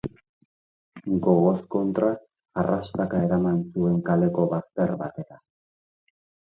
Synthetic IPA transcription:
ɡo̞ɣo̞sko̞nt̪ɾaː | rʔaʃt̪akae̞ɾamansue̞ŋkale̞ko̞βast̪e̞ɾβat̪e̞ɾa

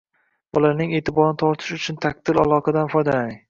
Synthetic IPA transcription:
bʊlaɾnɪŋe̞ːt̪ʰɪbɒɾnɪt̪ʰɒɾt̪ʰɪ̥ʃʊt͡ʃʰʊnt̪ʰaq̚t̪ɪla̰lˠɒqʰɑd̪anfɒjd̪alanɪŋ

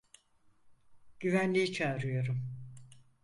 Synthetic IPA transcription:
ɟ̥yvænlʲijit͡ʃʰaːɾɯjo̞ɾum

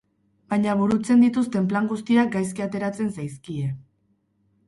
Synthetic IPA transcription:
baɲaβuɾut͡se̞nd̪it̪ust̪e̞mplaŋɡust̪iak̚ɡajskiat̪e̞ɾat͡se̞nsajskie̞

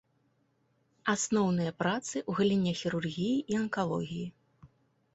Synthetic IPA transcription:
asnɔwnɨjɐpɾat̪sɨʔuɣɐlʲinʲɛxʲiɾurɣʲijiʔiɐnkalˠɔ̰ɣʲiji

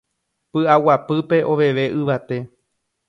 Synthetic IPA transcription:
pɨawapɨpe̞ʔo̞ʋe̞ʋe̞ʔɨʋat̪e̞

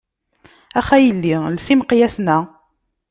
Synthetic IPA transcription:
æχæjəlːilsimqjæsnæ

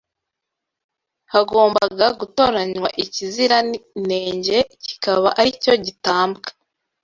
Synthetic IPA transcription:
haɡo̞ːmbaɡaɡuto̞ɾaɲwa̰ʔiciziɾane̞ːɲɟe̞ci̥kaβaʔaɾico̞ɟitaːmbɡḁ

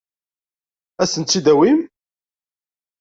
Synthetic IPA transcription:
æsənt̪t͡sːid̪æwim

